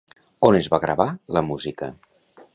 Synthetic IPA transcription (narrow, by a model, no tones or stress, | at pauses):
onezβaɣɾə̰βaləmuzikə